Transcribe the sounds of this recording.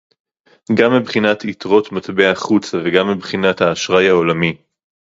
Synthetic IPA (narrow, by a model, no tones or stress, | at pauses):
ɡamːibχinat̪ʰit̪ʁo̞t̪mat̪beaχut͡saveɡamːibχinat̪haːʃʁajaolami